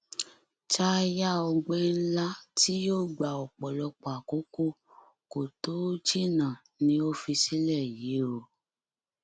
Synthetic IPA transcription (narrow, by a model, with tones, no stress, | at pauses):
t͡ʃa˦˧ja˦ɔ˧ɡ͡be˦la˦ti˦joː˦˨ɡ͡ba˨ɔ˨k͡pɔ˨lɔ˧k͡pa˨ko˨˦ko˦ | ko˨to˨˦d͡ʒi˦nã˨ | nĩ˧˦o˦fi˧si˦lɛ˦˨ji˨˦ɾo˧˨